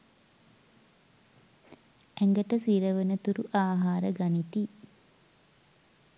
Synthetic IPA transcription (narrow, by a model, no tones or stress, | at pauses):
æŋɡəʈəsiːɾəʋənət̪uɾuʔaːɦaːɾəɡanit̪i